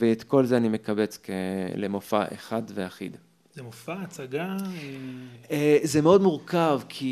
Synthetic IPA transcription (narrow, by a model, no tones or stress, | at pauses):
veːt̪ko̞lzeanimekabet͡skḛlemofa̰ʔeχadveaχḭd̪ | zemofaːt͡saɡa | ezemeo̞dmuʁkavkʰi